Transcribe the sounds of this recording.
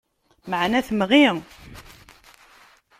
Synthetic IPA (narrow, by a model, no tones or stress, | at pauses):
məʕnæθmʁi